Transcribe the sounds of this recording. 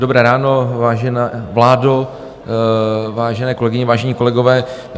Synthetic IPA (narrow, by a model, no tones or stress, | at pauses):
dobɾɛːɾaːnovaːʒɛnavlaːdo | vaːʒɛnɛːkolɛɡɪɲɛvaːʒɛɲiːko̞lɛɡovɛː